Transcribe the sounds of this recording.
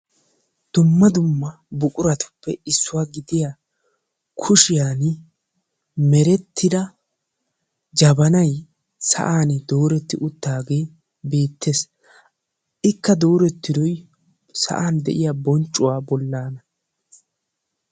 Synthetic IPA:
d̪̥ʊmːɐd̪ʊmːɐ | bʊkʼʊɾɐt̪ʊ̥pːɛɪsːʊwaːɡɪd̪ɪja | kʰʊʃɪjaːn | mɛɾɛt̪ʰːɪd̪ɐ | d͡ʒɐbɐnɐj | sɐ̰ʔaːnɪd̪oːɾɛt̪ːɪʔʊt̪ːaːɡe̞ː | be̞ːt̪ʰːeːs | ʔɪkːɐd̪o̞ːɾɛt̪ːɪd̪ɔj | sɐ̰ʔaːnd̪ɛʔɪjaːbɔnt͡ʃʼːʊwaːbɔlːaːnɐ

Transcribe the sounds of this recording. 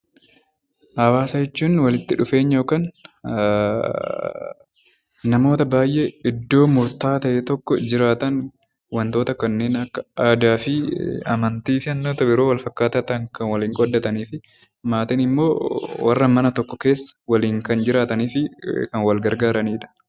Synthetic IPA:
ʔhɐwaːsɐd͡ʒɛt͡ʃːuːnwɐlɪt̪ːɪᶑʊfe̞ːɲːɐjoːkaːn | nɐmo̞ːt̪ɐbaːjʔeɪd̪ːo̞ːmʊɾt̪aːt̪ɐʔɛt̪ɔkːɔd͡ʒɪɾaːt̪ɐn | wɐnt̪oːt̪ɐkɐnːe̞ːnɐkːɐaːd̪aːfɪɐ̰mɐnt̪iːfɪɐnːoːt̪ɐbɪɾoːwɐlfɐkːaːt̪ɐt̪ɐŋkɐnwɐliːŋkʼɔd̪ːɐt̪ɐniːfɪ | maːt̪ɪnɪmːoːwɐrːɐmɐnɐt̪ɔkːɔke̞ːsːɐ̥wɐliːŋkɐnd͡ʒɪɾaːt̪ɐniːfɪkɐnwɐlɡɐɾɡaːɾɐniːᶑɐ̥

